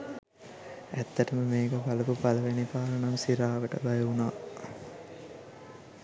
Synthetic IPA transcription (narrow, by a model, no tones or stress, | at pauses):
æt̪ːəʈəməmeːkəpalɐpupalɐʋenipaːɾənamsiɾaːʋəʈəbajɐunaː